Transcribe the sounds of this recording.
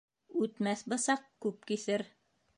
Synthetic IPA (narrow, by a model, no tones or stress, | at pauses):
ʉt̪mæθbɤ̆sɑq̚kʉp̚kiθɘɾ